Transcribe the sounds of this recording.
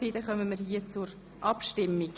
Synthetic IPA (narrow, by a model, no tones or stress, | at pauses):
iːt̪əχœməməɾhiət͡sʊɾ | ʔɑpʃtɪmːik